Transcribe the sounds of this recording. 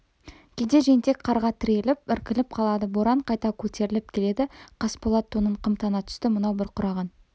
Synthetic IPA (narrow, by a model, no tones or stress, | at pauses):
kʲʰed̪e̞ʒe̞nt̪e̞kqʰɑɾʁɑt̪ʰɪɾʲe̞lɪp̚ɪɾkʲɪlɪp̚qʰɑlˠɑd̪əboɾɑɴqʰɑjt̪ɑkʲʰɵt̪e̞ɾɪlɪp̚kʲʰe̞le̞d̪ɪqʰɑspolˠɑt̪ʰːonəɴqʰəmt̪ɑnɑt̪ʰʏ̥st̪ɪmʊnɑwbɪɾqʰʊɾɑʁɑn